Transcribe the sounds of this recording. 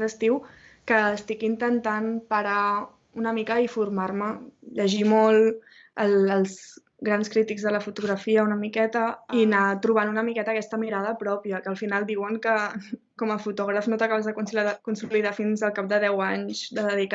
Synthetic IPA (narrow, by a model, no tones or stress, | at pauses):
ðəst̪iw | kəːst̪ikint̪ənt̪anpəɾa | unəmikəifurmarməʎəʒimolˠ | ələlˠz | ɣɾanskɾit̪iɡzðələfut̪uɣɾəfiəunəmikɛt̪əinat̪ɾuβ̞anunəmikɛt̪əːkɛst̪əmiɾað̞əpɾɔpiəkəːlˠfinalˠd̪iwəŋkə | kɔməfut̪ɔɣ̞ɾəfnot̪əkaβəzðəkukunsuliðafinzəlˠkap̚d̪əðɛwaɲzd̪əðəðik